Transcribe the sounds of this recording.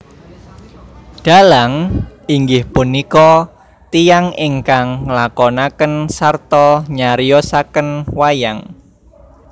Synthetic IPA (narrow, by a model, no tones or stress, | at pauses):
ɖ̥a̤laŋiŋɡɪhpunikɔ | t̪ijaŋɪŋkaŋlakɔnakənsart̪ɔɲaɾijɔsakənwajaŋ